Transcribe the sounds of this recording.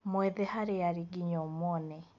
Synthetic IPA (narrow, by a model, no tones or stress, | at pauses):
mɔɛðɛhaɾeaɾiɡiɲɔmɔnɛ